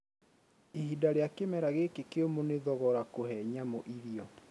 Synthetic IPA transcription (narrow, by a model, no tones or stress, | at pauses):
ehidaɾeakemɛɾaɣekekeomoneðɔɣɔɾakohɛɲamoʔiɾiɔ